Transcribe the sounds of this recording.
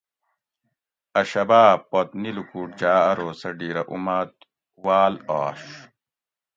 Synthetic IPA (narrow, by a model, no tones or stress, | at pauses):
ɐɕɐbaːbpːot̪nilukuːʈ̚d͡ʑaːɐɾoːsɐɖiːɾɐʔṵmɐt̪ | waːlaːɕ